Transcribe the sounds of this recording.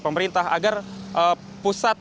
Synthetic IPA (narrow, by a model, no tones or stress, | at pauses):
pəməɾint̪aɦa̰ɡarʔə | pusat̪̚